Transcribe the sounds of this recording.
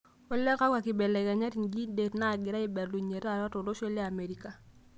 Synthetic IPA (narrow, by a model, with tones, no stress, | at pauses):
o˦lɛ˦ka˦ka˨kɪ˨bɛ˨lɛ˨ɡa˨ɲa˦ti˨nɡi˦de˨tna˦˨ɡɪ˨ɾa˦ɪ˦bɛ˨ɾlu˨ɲe˨ɾa˦˨ɾa˦to˨do˦ʃɛ˦ljaː˦˨me˨ɾi˦ka˨